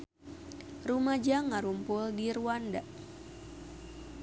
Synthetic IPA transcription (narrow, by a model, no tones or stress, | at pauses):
rumad͡ʒaŋaɾumpʊldiruwanda